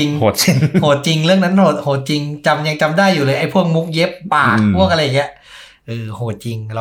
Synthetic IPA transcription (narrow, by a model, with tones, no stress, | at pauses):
i˧ŋo˨˩˦t͡ɕi˧ŋhoː˩˦t̪̚t͡ɕi˧ŋɾɯ˥˩əŋna˦˥nhoː˨˩˦t̪̚hoː˩˦t̪̚t͡ɕi˧ŋt͡ɕa˧mja˧ŋt͡ɕa˧mdaː˥˩jːuː˨˩ɤː˧ʔa˧˥˩jpʰu˥˩əŋ̚mu˦˥k̚je˦˥pːaː˨˩kʰu˥˩ka˧lːaː˨˩i˦˥ʔ | ʔɯː˧˩hoː˨˩˦t̪̚t͡ɕi˧ŋɾa˧